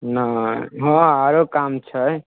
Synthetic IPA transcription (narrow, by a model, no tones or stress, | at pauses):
naɦɔ̃aɾokamt͡ʃʰə